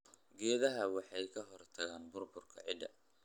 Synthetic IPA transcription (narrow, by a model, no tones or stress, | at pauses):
ɡɛːðɐɦɐwɑħɑjkʰɐɦɔrt̪ʰɐɣaːnbʊrbʊrkʰɐ̰ʕɪd̪ɐ